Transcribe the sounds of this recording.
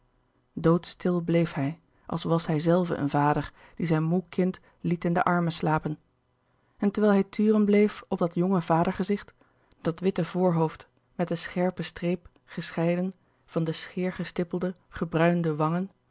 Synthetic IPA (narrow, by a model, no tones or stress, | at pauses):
dowtstɪlˠblejfɦɛj | ʔɑ̰lˠsʋɑsɦɛjzɛlˠvə̰ʔə̰nvaːdəɹ | d̥izɛjnmukɪnt | litɪndə̰ʔɑɹməslaːpən | ɛntəɹʋɛːlˠɦɛjtʰyːrənblejfɔb̚dɑtjɔŋəvaːdəɹχəzɪχt | d̥ɑtʋɪtəvʊːɹɦowft | mɛt̚dəsχɛɹpəstrejp | χəsχɛjdən | v̥ɑndəsχɪːɹχəstɪplˠdəχəbrœɥndəʋɑŋən